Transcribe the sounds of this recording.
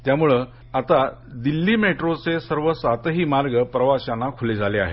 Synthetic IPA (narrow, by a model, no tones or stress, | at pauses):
t̪jamuɭə | at̪a | d̪ilːiːmeʈɾot͡sesəɾʋəsat̪əɦiːmaɾɡəpɾəʋaɕanːakʰuled͡zʱalea̰ɦḛ